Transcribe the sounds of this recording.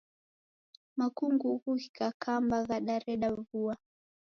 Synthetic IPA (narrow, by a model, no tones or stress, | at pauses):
makuŋɡuɣuhikakʰambaɣaɗaɾɛɗavua